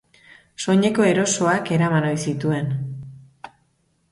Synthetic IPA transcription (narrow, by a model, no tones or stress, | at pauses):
so̞ɲe̞ko̞e̞ɾo̞so̞ake̞ɾamano̞jsit̪ue̞n